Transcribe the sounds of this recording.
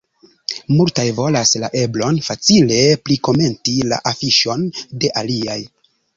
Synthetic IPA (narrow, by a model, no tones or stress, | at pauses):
multajvo̞lasla̰ʔe̞blo̞nfat͡sile̞pliko̞me̞ntila̰ʔafiʃo̞nde̞ʔaliaj